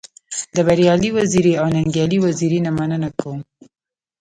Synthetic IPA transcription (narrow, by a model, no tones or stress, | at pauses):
d̪əbaɾjɑliwaziɾiawnaŋɡjɑliwaziɾinamanənakawum